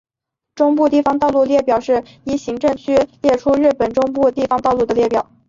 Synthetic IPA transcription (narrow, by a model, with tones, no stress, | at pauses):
ʈ͡ʂʊ˥ŋpu˥˧t̪i˥˩fɑ˥ŋt̪ɑ˥˧ʊlu˥˧ljɛ˥˩pjɑ˨˩ʊʂɻ̩˥˩ | i˧˥ɕi˧˥ŋʈ͡ʂɤ˥˩ŋt͡ɕʰy˥ljɛ˥˩ʈ͡ʂʰu˥ɻɻ̩˥˩pə˨˩nʈ͡ʂʊ˥ŋpu˥˧t̪i˥˩fɑ˧˥ŋt̪ɑ˥˧ʊlu˥˩d̪ə˩ljɛ˥˩pjɑ˨˩˦ʊ